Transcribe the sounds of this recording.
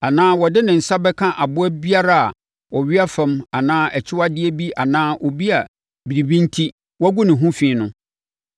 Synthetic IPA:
a˨nãː˦wɔ˨dɪ˦nɪ̃˨n̩˨sa˦bɛ˦kʰã˦ʔa˨bʊ˦æ˦bi˦a˦ɾa˦a̰˨ | ɔ˨ɥɪ˦a˦fɛ̃˦ma˨nãː˦ʔɛ˨t͡ɕʰɪ˦wa˦dɪ˦ɛ˦bi˦ʔa˨nãː˦ʔɔ˨bi˦a˨ | bi˨ɾi˨bĩ˦n̩˦tʰi˦ | wɔ˦ɡu˦nɪ̃˨ɦũ˦fĩː˨˦nʊ̃˦

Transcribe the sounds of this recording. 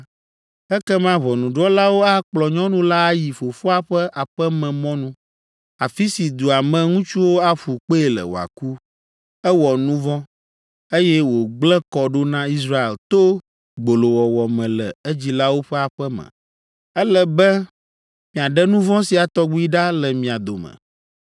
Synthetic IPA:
ɛ˦kɛ˦mã˦βɔ˨nũ˨ɖɔ˦la˦wo˦a˦k͡plɔ˨ɲɔ̃˦nũ˦la˦a˦ji˨fo˨fo˦a˦ɸɛ˦ʔa˨ɸɛ˦mɛ̃˨mɔ̃˦nũ˦ | a˨fi˦si˨d̪u˨a˨mɛ̃˨ŋũ˦t͡ʃu˦wo˦a˦ɸu˨k͡pe˦e˨lɛ̰˨wo̰˨a̰˨ku˦ | ɛ˦wɔ˨nũ˦vɔ̃˦ | e˦jɛ˦wo˨ɡ͡blɛ̃˦kɔ˨ɖo˦nã˦i˦sɾa˦ḛ˨lt̪o˦ | ɡ͡bo˨lo˨wɔ˨wɔ˨mɛ̃˨lɛ̰˨e˦d͡ʑi˦la˦wo˦ɸɛ˦a˨ɸɛ˦mɛ̰̃˨ | ɛ˦lɛ˨bɛ˦ | mĩ˨a˨ɖɛ˦nũ˦vɔ̃˦si˨a˨t̪ɔ˦ɡ͡bu˦i˦ɖa˦lɛ˨mĩ˨a˨d̪o˨mɛ̰̃˨

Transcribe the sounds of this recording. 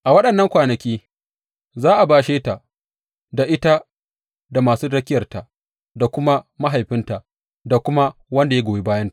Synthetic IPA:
ʔa˨wɐ˦ɗɐ˨nːɐ˦ŋkʷaː˨nɐ˨kʲiː˦ | zaː˦ʔa˨baː˨ʃeː˦ta˨ʔ | da˨ʔɪ˦ta˦ | da˨maː˨suː˦dɐ˦kʲɪ˦jɐ˨rta˨ | da˨kʷʊ˦ma˦ma˦ɦa˨jɸɪ˦nta˨ʔ | da˨kʷʊ˦ma˦wɐ˦nda˨je˦ɡʷoː˨e˦baː˦jɐ˦nta˨

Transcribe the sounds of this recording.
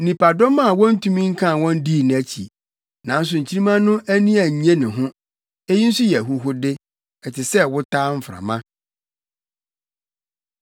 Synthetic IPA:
n̩˨nĩ˨pʰa˨dɔ˦mã˦a˨wɔ̃˦n̩˦tʰũ˦mĩ˦ŋ̩˦kʰã˦˨wɔ̃˦n˦di˦˨ñ˨æ˦t͡ɕʰḭ˨ | nã˨n̩˦s̬ʊ˨ɲ̩˨t͡ɕʰi˦ɾi˦mã˦nʊ̃˦ʔæ˦nĩ˦æ˨ɲ˨ɲɛ̃˦nɪ̃˨ɦʊ̃˦ | e˦ji˦n̩˦sʊ˦jɛ˨ɦu˦ɦʊ˦dɪ˦ | ɛ˨tʰɪ˨sɛ˦wʊ˦tʰaː˦m̩˦fɾa̰˨mã˦

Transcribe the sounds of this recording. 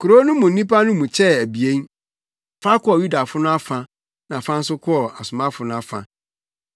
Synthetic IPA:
kʰʊ˨ɾo˦nʊ̃˦mũ˨n̩˦nĩ˦pa˦nʊ̃˦mũ˨t͡ɕʰɛ˦æ˨bi˨e˦n | fa˦kɔ˦ɔ˨ju˦da˨fʊ˦nʊ̃˦a˦fã˨ | nã˨fã˦n̩˦sʊ˦kʰɔ˦ɔ˨a˨sʊ˨mã˦fʊ˦nʊ̃˦a˦fã̰˨

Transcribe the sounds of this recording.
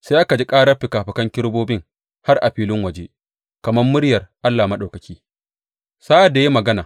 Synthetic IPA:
saː˦ʔa˦ka˨d͡ʒi˦kʼaː˦ɽɐ˦ɸɪ˨kaː˨ɸɪ˨kɐ˦ŋkʲɪ˦ɽboː˦bɪ˦ŋ | ha˦rʔa˨ɸiː˦lɪ˦ŋwɐ˨d͡ʒe˦ | kɐ˨mɐ˦mːʊ˦ɽjɐ˨rʔa˦lːaː˨mɐ˦ɗa˨kɐ˨kʲiː˦ | saː˦ʔa˨da˨ji˦mɐ˨ɡɐ˦naː˨

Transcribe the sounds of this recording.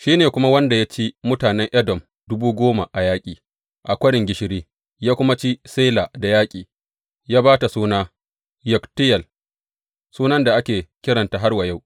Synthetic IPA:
ʃiː˦neː˨kʷʊ˦ma˦wɐ˦nda˨ja˦t͡ʃi˦mʊ˦taː˨nɛ˦ŋʔɐ˦dɔ˨m | dʊ˦buː˦ɡʷoː˦ma˨ʔa˨jaː˦kʲʼiː˨ | ʔa˨kʷɐ˦ɽɪ˨ŋɡʲɪ˦ʃɪ˨ɾiː˦ | jaː˦kʷʊ˦ma˦t͡ʃi˦se˦laː˨da˨jaː˦kʲʼiː˨ | jaː˦baː˦ta˨suː˦naː˦ | jʊ˨ktɪ˦jɐ˨l | suː˦nɐ˦nda˨ʔa˦kʲeː˨kʲɪ˦ɽɐ˨nta˨ɦa˦rwa˨ja˦˨w

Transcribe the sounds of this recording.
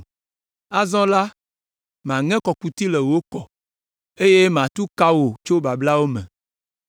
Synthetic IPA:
a˦zɔ̃˦la˦ | m˨ã˨ŋɛ̃˦kɔ˨ku˨t̪i˦le˨wo˦kɔ˨ | e˦je˦m˨ã˨t̪u˦ka˦wo˨t͡ʃo˦ba˨bla˦wo˦mɛ̃˨

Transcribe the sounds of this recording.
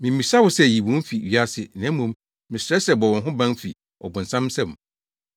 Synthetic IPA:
mɪ̃˨mĩ˨sa˦wʊ˨˦sɛ˦˨ji˨bũ˨˦m̩˦fi˨ɥi˦a˦sɪ˨nã˦mũ˦m | mɪ̃˨sɾɛ˦sɛ˨bɔ˨wɔ̃˨nɦʊ̃˦bã˦n˦fḭ˨ | ʔɔ̰˨bʊ̃˨n̩˨sã˦m˦sɛ̃˦˨m˨

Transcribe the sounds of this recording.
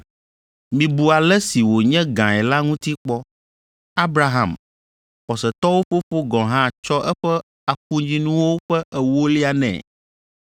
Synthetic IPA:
mĩ˨bu˨a˨lɛ˦si˨wo˨ɲɛ̃˦ɡã˨ɛ˨la˦ŋũ˦t̪i˦k͡pɔ˦ | a˦bɾa˦ɦã̰˨m | ɸɔ˨sɛ˨t̪ɔ˦wo˦ɸo˦ɸo˦ɡɔ̃˨ɦã˦˨t͡ʃɔ˦ʔɛ˦ɸɛ˦ | a˨k̚u˦ɲd͡ʑĩ˦nũ˦wo˦ɸɛ˦ʔɛ˨wo˦li˦a˦nɛ̰̃˨

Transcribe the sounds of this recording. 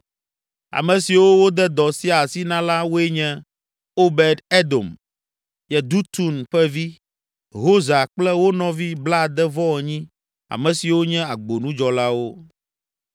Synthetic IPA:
a̰˨mɛ̃˨si˨wo˦wo˦d̪ɛ˦d̪ɔ˨si˦a˨si˦nã˦la˦wo˦ɛ˦ɲɛ̃˦ | o˦bɛ˨d̪e˦d̪o̰˨m | jɛ˨d̪u˦t̪u˦nɸɛ˦vi˦ | ɦo˦za˨k͡plɛ˦wo˦nɔ̃˨˦vi˦bla˦˨d̪ɛ˦vɔ̃˦ɛ˨ɲĩ˦ | a̰˨mɛ̃˨si˨wo˦ɲɛ̃˦a˨ɡ͡bo˨nũ˦d͡ʒɔ˨la˦wo˦

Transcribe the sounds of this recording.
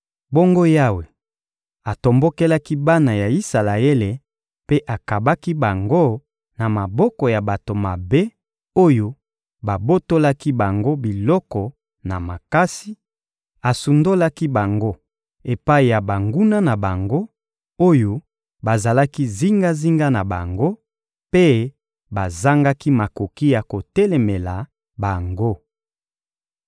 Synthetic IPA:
bo˦ŋɡo˦ja˦we˨ | a˨to˨mbo˦ke˦la˦ki˦ba˦na˨ja˨i˦sa˨la˨e˦le˨ | pe˦ʔa˨ka˨ba˦ki˦ba˨ŋɡo˦ | na˨ma˨bɔ˦kɔ˨ja˨ba˨to˨ma˨be˦ | o˦jo˦ | ba˨bo˦to˦la˦ki˦ba˨ŋɡo˦bi˨lɔ˦kɔ˨ | na˨ma˨ka˦si˦ | a˨su˨ndo˦la˦ki˦ba˨ŋɡo˦ | e˨pa˦i˨ja˨ba˨ŋɡu˦na˦na˨ba˨ŋɡo˦ | o˦jo˦ | ba˨za˨la˦ki˦zi˦ŋɡa˦zi˦ŋɡa˦na˨ba˨ŋɡo˦ | pe˦ | ba˨za˦ŋɡa˦ki˦ma˨ko˨ki˦ja˨ko˨tɛ˦le˨me˨la˨ | ba˨ŋɡo˦

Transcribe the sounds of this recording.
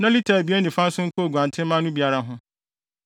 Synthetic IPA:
nã˦li˦tʰa˨bi˦e˦nĩ˨fã˦n̩˦sʊ̃˦ŋ̩˦kʰʊ˦o˨ɡʷu˨ã˨ntʰɪ̃˦m˦mã˦nʊ̃˦bi˨˦a˦ɾa˦ɦʊ̃˦

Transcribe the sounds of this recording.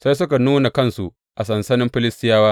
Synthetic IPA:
sa˦js̬ʊ˦ka˨nuː˦na˨kɐ˦nsu˨ | ʔa˨sɐ˨nsɐ˦nɪ˦mɸɪ˦lɪ˦stɪ˦jaː˦waː˦

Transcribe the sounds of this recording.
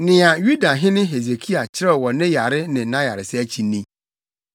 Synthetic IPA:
nɪ̃˨a˨ju˦da˨ɦɪ̃˦nɪ̃˦ɦe˨ze˨kʰi˦a˨t͡ɕʰɪ˦ɾɛ˦˨wɔ˨nɪ̃˦ja˨ɾɪ˦nɪ̃˨˦nã˦ja˨ɾɪ˨sɪ˦æ˦t͡ɕʰi˨nːĩ˦

